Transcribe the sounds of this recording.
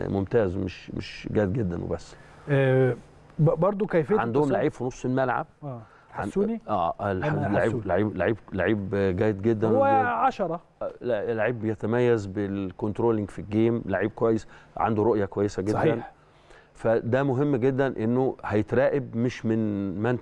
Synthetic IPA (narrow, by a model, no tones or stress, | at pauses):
momt̪æːzmeʃmḛʃɡæːd̪̚ɡed̪ːænwḛbæsː | bɑɾˤd̪ˤokæjfeʕand̪ohomlaʕiːbfinosˤːelmælʕa̰b̥̚ | ʕanuniʔæːʔlalːaʕiːlaʕiːblaʕiːb̚laʕiːbɡæːjed̪̚ɡed̪ːænwʕɑʃɑɾˤɑ | lːaʕiːbːejæt̪æmæjːæzbelkont̪ɾoːlɪŋɡfilɡeːmlaʕiːb̚kowæjːesʕa̰nd̪uɾoʔjɑkowæjːesæɡed̪ːæn | fæd̪æmoɦemːɡed̪ːænʔenːohæjet̪ɾˤæːʔebmeʃmɪnmæn